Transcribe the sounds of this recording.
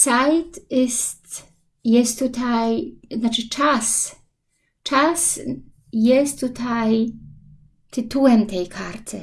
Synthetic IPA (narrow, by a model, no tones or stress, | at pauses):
sajt̪ɪst | jɛsttːut̪ʰajnat͡ʃɨt͡ʂas | t͡ʃas | jɛst̪ːut̪ʰaj | t̪ʰɨt̪uɛmt̪ʰɛjkʰaɾt̪ʰɨ